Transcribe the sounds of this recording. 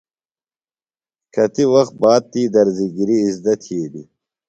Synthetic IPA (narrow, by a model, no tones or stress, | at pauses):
kʰɐt̪iwɐxt̪̚baːd̪̚t̪iːd̪ɐɾziɡiɾiːzd̪ɐt̪ʰieːd̪i